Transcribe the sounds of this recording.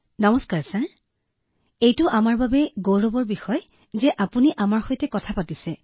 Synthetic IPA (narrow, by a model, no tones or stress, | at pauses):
nɔmɔskaɹsaɹ | ejtʊʔamaɹbabɛɡowɹɔbɔɹbixɔj | zɛʔapuniʔamaɹxojtɛkɔtʰapatisɛ